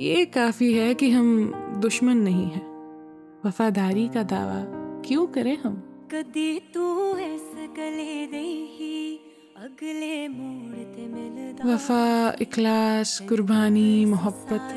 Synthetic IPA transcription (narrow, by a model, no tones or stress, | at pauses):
jekaːfiɦɛkiɦɐmd̪ʊʃmənːɐɦĩɦɛː | ʋɐfaːd̪aːɾikad̪a̰ːʋa̰kjõkɐɾẽɦɐmkɐd̪it̪uɛskɐleɾɐiɦi | ɐɡlemuːɽt̪eʋɐfaɪxlaːskʊɾbaːnimɐɦəbːət̪